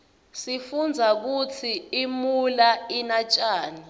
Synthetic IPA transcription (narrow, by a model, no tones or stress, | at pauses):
sifund͡zʱak̬ut͡sʰiimulainat͡ʃʼaːna